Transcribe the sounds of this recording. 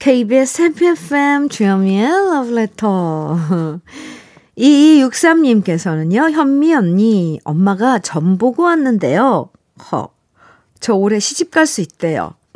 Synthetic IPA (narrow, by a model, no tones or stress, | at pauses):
kʰeibesʰepʰefemt͡ɕujʌmielʌvletʰʌ | iːjuk̚s͈amɲimk͈e̞sʰʌnɯɲjoçjʌmːiʌnɲiʌ̰mːaɡat͡ɕʌmboɡoanːɯnde̞̰jo | kʌ̰ | t͡ɕʌoɾe̞ɕʰid͡ʑip̚k͈aɭs͈uit̚t͈e̞jo̰